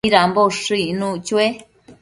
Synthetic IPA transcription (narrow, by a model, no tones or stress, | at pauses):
ɾamboʂɨnũt͡ʃue